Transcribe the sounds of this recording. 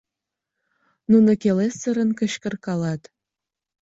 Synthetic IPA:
nunŏkelesə̆ɾə̆nkə̆ɕkə̆rkɑlɑt̪

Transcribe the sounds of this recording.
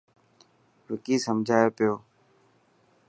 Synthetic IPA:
ʋɪkiːsəmd͡ʒʱaːeːpɪjoː

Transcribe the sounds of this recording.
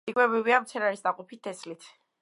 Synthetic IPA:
ikʼwɛbɾiviamt̪sʰɛɾaɾisd̪aqʼɔpʰit̪ʰːɛslit̪ʰ

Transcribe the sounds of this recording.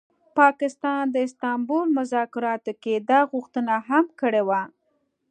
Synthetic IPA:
pɑkɪst̪ɑnd̪əɪst̪ɑmbolmʊzɑkɪɾɑt̪oked̪ɑɣʊxt̪ənaɦamkəɽewa

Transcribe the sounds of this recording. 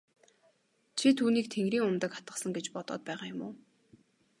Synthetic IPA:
t͡ɕʰit̪ʰuːniːk̚t̪ʰeŋɡɾiːŋʊmt̪ə̆kχḁt̪ɢə̆sə̆ŋɡet͡ɕpɔt̪ɔ̰ːt̪̚pæːʁaːjʊmʊː

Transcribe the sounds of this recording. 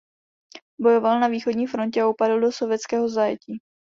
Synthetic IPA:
bo̞jo̞valnaviːxodɲiːfɾo̞ncɛaupadl̩do̞so̞vjɛtt͡skɛːɦo̞zajɛciː

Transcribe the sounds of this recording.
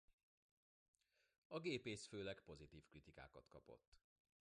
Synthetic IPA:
ɒɡeːpeːsføːlɛɡpo̞zit̪iːfkrit̪ika̰ːkɒt̪kɒpo̞̰t̪ː

